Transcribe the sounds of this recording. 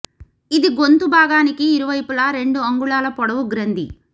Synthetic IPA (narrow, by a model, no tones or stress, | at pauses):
id̪iɡo̞nt̪ubʱaːɡaːnikiːɾuʋɐjpulɐɾe̞ɳɖuɐŋɡuɭaːlɐpɔɽɐʋuɡɾɐnd̪ḭ